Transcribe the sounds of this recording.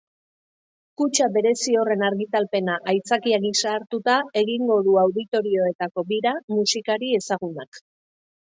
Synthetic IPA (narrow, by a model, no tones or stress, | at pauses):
kut͡ʃaβe̞ɾe̞sio̞re̞naɾɣit̪alpe̞naʔajt͡sakiaɣisaːɾt̪ut̪ae̞ɣiŋɡo̞ðuawðit̪o̞ɾio̞e̞t̪ako̞βiɾamusikaɾie̞saɣunak